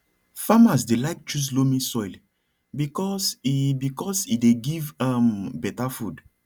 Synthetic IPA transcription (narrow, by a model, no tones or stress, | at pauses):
famas̬delaɪk̚t͡ʃus̬lomĩsɔjl | bikɔsibikɔsideɡivãmbɛtafud